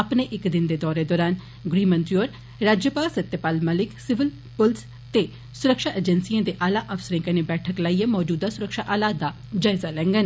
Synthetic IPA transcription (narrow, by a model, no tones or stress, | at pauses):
ɐpneʔɪkd̪ɪnd̪eːd̪ɔːɾed̪ɔːɾaːn | ɡɾiːmə̃nt̪ɾioːɾ | ɾaːd͡ʒjəpaːlsət̪ːepaːlməlɪksɪʋɪl | pʊls | t̪e | sʊɾəkʃaːʔed͡ʒɛnsiãːd̪eʔaːlaːʔəʋsəɾẽkənẽbɛːʈʰəklaːijãmɔːd͡ʒuːd̪asʊɾəkʃaːʔaːlaːd̪a | d͡ʒaːɪzalɛ̃ːŋɡən